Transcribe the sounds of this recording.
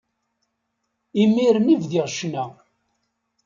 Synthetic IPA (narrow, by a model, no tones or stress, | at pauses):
imiɾənivðiʁʃnæ